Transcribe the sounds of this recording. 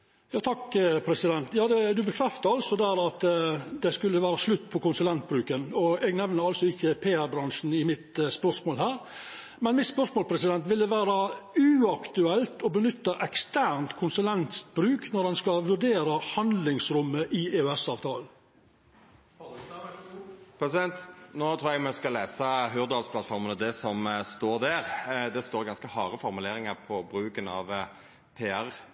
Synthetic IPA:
jɑːt̪ʰɑkpʰɾɛsɪd̪ɛnt̪jɑːd̪ɛd̪ʉbəkʰɾɛft̪əɾɑlsɔd̪æɾɑt̪d̪ɛskʉlːəʋæːɾɑslʉt̪ːpʰɔkʰʊnsʉlɛnt̪̚bɾʉːkənɔɛɡnɛʋnəɾɑlsɔɪçːəpʰeːæɾbɾɑŋʂn̩ɪmɪt̪əspœʂmoːlɦæːɾ | mɛnmɪt̪spœʂmoːlpʰɾɛsɪd̪ɛnt̪ʋɪld̪ɛʋæːɾɑʉːɑkt̪ʉɛlt̪ɔbənʏt̪ːɑʔɛkst̪æːɾnt̪kʰʊnsʉlɛnt̪bɾʉːknɔɾɛnskɑʋʉɖeːɾɑhɑnd̪lɪŋsɾʊmːəʔɪeːœɛsɑːʋt̪ʰɑːl | pʰɾɛsɪd̪ɛnt̪noːt̪ʰɾuːjɛɡmɛskɑleːsɑɦʉːʁd̪ɑːlspʰlɑt̪fɔɾmənəd̪ɛsɔmst̪oːɾd̪æʁd̪ɛst̪oːɾɡɑnskəhɑːɾəfɔɾmʉleːɾɪŋɑɾpʰɔbɾʉːkənɑʋ | pʰeːæɾ

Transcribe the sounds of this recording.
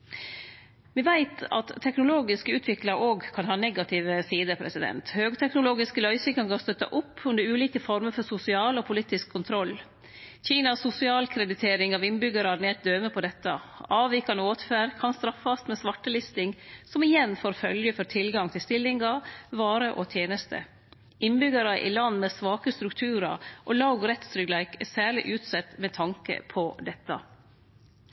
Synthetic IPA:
ʋɪʋæɪt̪ɑ̰t̪ʰːɛknʊloːɡɪskəʉːt̪ʰʋɪklɑɾʔoːɡkʰɑnɦɑːnɛɡɑt̪ʰɪːʋəsiːd̪əpʰɾɛ̰sɪd̪ɛ̰nt̪høːɡt̪ʰɛknʊloːɡɪskəlœʏsɪŋkɑnɡɑːst̪œt̪ːɑ̰ʔʊpːʉnd̪əɾʉːliːkəfɔɾməɾfɔsʊsɪɑːlɔpʰʊliːt̪ɪskʰːʊnt̪ʰɾɔl | çiːnɑsːʊsɪɑːlkʰɾɛd̪ɪt̪ʰeːɾɪŋɑʋɪnbʏɡəɾɑɾneːt̪̚d̪øːməpʰɔd̪ɛt̪ːəɑːʋiːkɑnəoːt̪fæːɾkʰɑnst̪ɾɑfːɑst̪meːsʋɑʈːəlɪst̪ɪŋsɔmɪjɛnːfoːɾfœljəfɔɾt̪ʰɪlɡɑŋt̪ʰɪlst̪ɪlːɪŋɑʋɑːɾəʔoːt̪ʰjeːnəst̪ʰə̰ | ɪnbʏɡɑɾɑʔɪ̰lɑnːmesʋɑːkəst̪ɾʉkt̪ʰʉːɾɑ̰ʔoːlɑːɡɔɾɛt̪st̪ɾʏklæɪkɛ̰sæːɭɪ̰ʔʉːt̪sɛt̪ːmɛt̪ʰɑŋkə̰pʰɔd̪ɛt̪ːɑ̰

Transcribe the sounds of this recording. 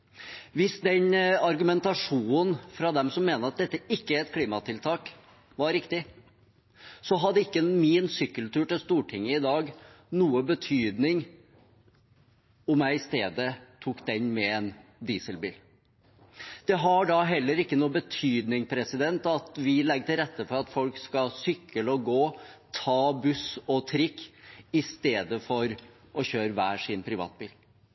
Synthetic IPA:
ʋɪsd̪ɛɲɑɾɡʉmɛnt̪ɑʂuːnənfɾɑd̪ɛmsɔmːeːnəɾɑt̪̚d̪ɛt̪ːəɪkːəæɾɛt̪̚kʰliːmɑt̪ʰɪlt̪ʰɑːk | ʋɑɾɾɪkt̪ɪ | sɔɦɑd̪ɛɪkːəmɪnsʏkːəlt̪ʉːʈɪlst̪uːʈʰɪŋːəɪd̪ɑːɡ | nuːəbət̪ʰyːd̪nɪŋ | ɔmæɪɪst̪eːd̪ət̪ʰuːkd̪ɛɲmɛɛnd̪iːsəlbiːl | d̪̥ɛɦɑɖɑɦɛlːəɾɪkːənuːəbət̪ʰyːd̪nɪŋpʰɾɛsɪd̪ɛnt̪ɑt̪ʋɪlɛɡt̪ɪlɾɛt̪ːəfɔɾɑt̪fɔlkskɑsʏkːələɔɡoːt̪ʰɑːbʉsɔt̪ʰɾɪkːɪst̪eːd̪əfɔɾ | ɔçøːɾəʋæːʂɪnpʰɾɪʋɑ̰ːt̪̚biːl

